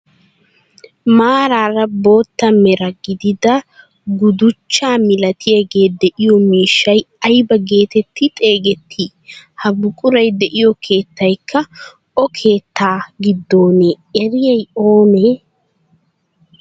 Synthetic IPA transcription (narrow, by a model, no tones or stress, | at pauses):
maːɾaːrɐbo̞ːt̪ːɐmɛɾɐɡɪd̪ɪd̪ɐ | ɡʊd̪ʊt͡ʃːaːmɪlɐt̪ʰɪjɐɡeːd̪ɛʔɪjɔmiːʃːɐj | ɐjbɐɡe̞ːt̪ɛt̪ːɪt̪ʼe̞ːɡɛt̪ʰːi | hɐbʊkʼʊɾɐjd̪ɛʔɪjɔkʰe̞ːt̪ːɐjkʰːɐ | ʔɔkʰe̞ːt̪ʰːaːɡɪd̪ːo̞ːne | ɛɾɪjɐjo̞ːneː